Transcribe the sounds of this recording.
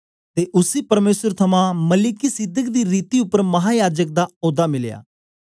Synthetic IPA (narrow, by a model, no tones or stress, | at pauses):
t̪eːʔʊsiːpəɾmeːsəɾt̪ʰɐmãːməlɪkisɪd̪əkd̪iːɾiːt̪iʊpːəɾmɐɦaːjaːd͡ʒək̚d̪aːoːd̪aːmɪlja̰ː